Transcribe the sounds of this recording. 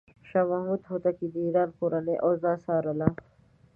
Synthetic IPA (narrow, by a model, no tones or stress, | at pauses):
ʃaːmɐɦmud̪ɦoːt̪akid̪iːɾaːnkuɾɐneʔoːzaːsaːɾɐla